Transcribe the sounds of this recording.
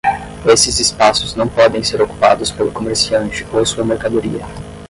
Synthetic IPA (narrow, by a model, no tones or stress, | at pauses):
esɪzɪspasʊznɐ̃w̃pɔd̪ẽj̃seɾoku̥pa̰d̪ʊspelʊkomeɾsiɐ̃nt͡ʃɪ̥owɐsuɐmeɾkad̪oɾḭɐ